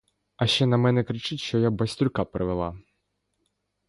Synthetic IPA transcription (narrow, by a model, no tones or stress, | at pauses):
ɐʃt͡ʃɛnɐmɛnɛkɾɪt͡ʂɪtʲʃt͡ʃɔjabɐsʲt̪ɾʊkapɾɪʋɛlˠa̰